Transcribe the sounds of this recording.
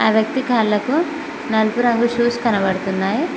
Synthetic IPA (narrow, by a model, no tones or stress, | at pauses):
aːʋjɐk̚t̪ikaːlːɐku | nɐlpuɾaŋɡuʃuːskɐnɐbɐɽut̪unːaːji